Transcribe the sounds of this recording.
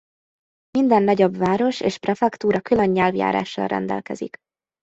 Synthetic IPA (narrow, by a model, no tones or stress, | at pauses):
mind̪ɛnːɒɟobʋaːɾo̞ʃeːʃprɛfɛkt̪uːɾɒkyløɲːɛlvja̰ːɾa̰ːʃːɒ̰lrʔɛ̰nd̪ɛ̰lkɛzḭk